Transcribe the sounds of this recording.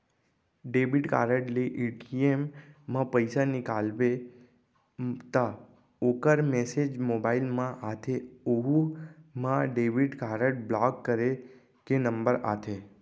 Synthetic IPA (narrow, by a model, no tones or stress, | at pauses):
ɖeʋiɖkaɾəʈliʔeʈiemːãpəjsanikalʋe | t̪a | okəɾmesed͡ʒmobailmãʔat̪ʰeoɦumãɖeʋiɖkaɾəʈ̚blakːəɾe | kenəmbəɾa̰t̪ʰe